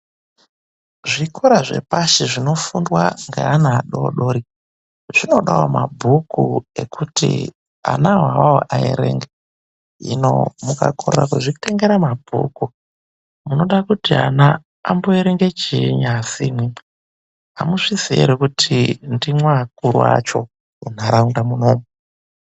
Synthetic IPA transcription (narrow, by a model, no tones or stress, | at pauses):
ʐikʰoɾaʐe̞̰paʃiʐino̞fundwaŋɡḛanaaɗo̰ɗoɾi | ʐ̥ino̞ɗawamabʱukue̞̰kʰutḭ | a̰naɦaʋaoʔaḛɾeŋɡe | ḭno̰mukakʰorrakuʐiku̥teŋɡeɾamabʱṵku | muno̞ɗakutia̰naː | mboeɾeŋɡet͡ʃiɲasimwi | amuʂisiḛɾekutʰindimwakuɾuwa̰t͡ʃo̞ | un̤aɾaundamunoːme